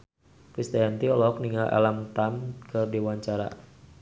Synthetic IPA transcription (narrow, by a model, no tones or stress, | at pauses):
pɾist̪ajant̪iɔlɔk̚niŋalʔa̰lamt̪amkɨrdewaɲt͡ʃaɾa̰